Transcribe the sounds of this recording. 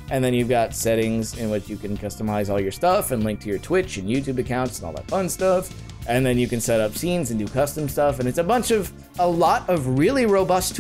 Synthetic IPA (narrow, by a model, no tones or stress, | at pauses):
ʔɨ̃nðɨ̃njʉvɡɑtsɛɾɪ̃ŋzɪ̃nwɪt͡ʃjɨkɨ̃nkʰʌstəmaɪzɔlˠjə˞stʌfɨ̃nlɪ̃ŋk̚tʰɨjə˞tʰw̥ɪt͡ʃɨ̃njʉtʉbɨkʰãʊ̃ntsn̩ɔ̰lˠðə̰tfʌ̃nstʌf | ʔɨ̃nðɨ̃njɨkɨ̃n̩sɛɾʌpsĩnzɨ̃n̩dɨkʰʌstm̩stʌfɨ̃nɨtsəbʌ̃nt͡ʃʌv | əlɔɾʌvɹɪlˠiɹoʊbʌstʰ